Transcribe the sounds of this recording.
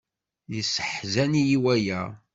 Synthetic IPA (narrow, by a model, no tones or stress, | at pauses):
jəsə̥ħzænijiwæjæ